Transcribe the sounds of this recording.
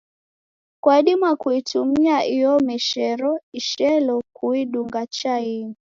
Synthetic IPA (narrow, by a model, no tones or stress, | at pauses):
kwaɗimwakuitumiaʔijɔmɛʃɛɾɔiʃɛlɔkuiɗuŋɡat͡ʃaiŋi